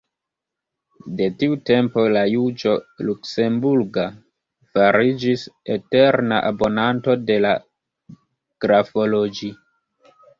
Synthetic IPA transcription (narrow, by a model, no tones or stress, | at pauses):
de̞tiute̞mpo̞lajud͡ʒo̞lukse̞mbuɾɡa | faɾid͡ʒisete̞ɾna̰ʔabo̞nanto̞de̞la | ɡ̥ɾafo̞lod͡ʒi